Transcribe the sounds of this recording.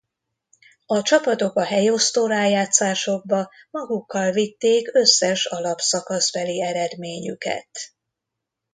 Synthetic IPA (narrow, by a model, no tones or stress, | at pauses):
ɒt͡ʃɒpɒt̪o̞kɒɦɛjo̞st̪oːɾaːjaːt̪saːʃo̞ɡ̚bɒmɒɡukːɒlvit̪ːeːkø̞sːɛʃɒlɒpsɒkɒzbɛliɛɾɛd̪meːɲykɛ̰t̪